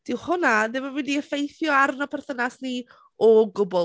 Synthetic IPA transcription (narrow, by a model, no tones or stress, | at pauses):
d̥ɪwhʊnadɪmɔmwindiəfejθjɔarnɔpʰɛrθənasni | ɔɡʊbɔ